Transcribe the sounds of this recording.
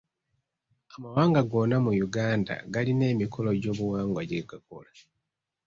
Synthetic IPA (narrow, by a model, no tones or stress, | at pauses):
amawaːŋɡaɡo̞namujuɡaːnda̰ɡaline̞ːmikʰo̞lo̞ɟo̞ːβuwaːŋɡwaɟeɡako̰la